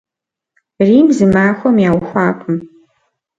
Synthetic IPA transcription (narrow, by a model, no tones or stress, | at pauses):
rimzɨmaːxʷomjawxʷaːkʷʼʊm